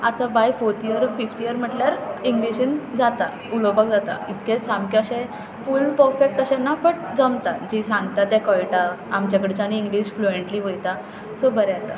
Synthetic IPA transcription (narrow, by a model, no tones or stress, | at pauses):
at̪abajfoɾt̪ijəɾfifʈ̪ijəɾm̤əʈljaɾiŋɡliɕind͡zat̪a | ulobak̚d͡zat̪a̰it̪kẽsamkaɕẽ | fulpəɾfek̚ʈəɕẽnːapəɳd͡zəmt̪ad͡ʑisãŋɡt̪at̪ɛ̃kɔjʈaamt͡ɕjakəɽet͡ɕañiːŋɡliɕflueɳʈliːʋəjt̪a | sobəɾɛəsa̰